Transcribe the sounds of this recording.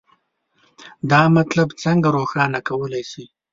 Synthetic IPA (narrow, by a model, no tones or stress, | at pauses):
d̪ɑmat̪labt͡səŋɡaɾoxɑnakawəlajsi